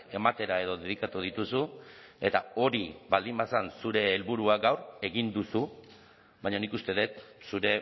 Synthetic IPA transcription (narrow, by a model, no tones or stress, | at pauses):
e̞mat̪e̞ɾae̞ðoðeð̞ikat̪uðit̪usue̞t̪ao̞ɾiβald̪imbasansuɾe̞ːlβuɾuaɡawre̞ɣind̪usu | βajɲanikust̪e̞ðet̪suɾe̞